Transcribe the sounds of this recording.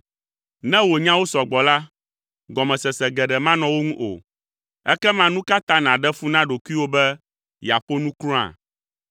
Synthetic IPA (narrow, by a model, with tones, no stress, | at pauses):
nɛ̃˦wo˨ɲã˦wo˦sɔ˨ɡ͡bɔ˨la˦ | ɡɔ˨mɛ̃˨sɛ˨sɛ˨ɡɛ˨ɖɛ˨mã˦nɔ̃˨wo˦ŋũ˦ʔo̰˨ | ɛ̰˦kɛ˦mã˦nũ˦ka˦t̪ã˦nã˨ɖɛ˦fu˦nã˦ɖo˨ku˦i˦wo˦bɛ˦ | ja˨ɸo˦nũ˦kɾɔ̃˦a̰˨